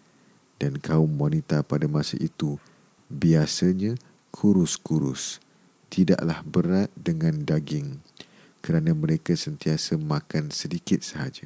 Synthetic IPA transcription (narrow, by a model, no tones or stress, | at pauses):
d̥ankaʊmwanit̪apadamãsəʔit̪u | biasaɲã | kʰuɾʊskuɾʊ̰s | t̪ida̰ʔlahbəɾat̪̚dəŋãndaɡɪŋ | kəɾanãmə̃ɾekasənt̪iasəmãkansədikɪt̪̚səɦad͡ʒa